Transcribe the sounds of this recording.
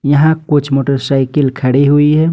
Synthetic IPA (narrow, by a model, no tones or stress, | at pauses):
jəɦãkut͡ʃʰmoʈəɾsaɪkilkʰəɽeɦuiɦɛ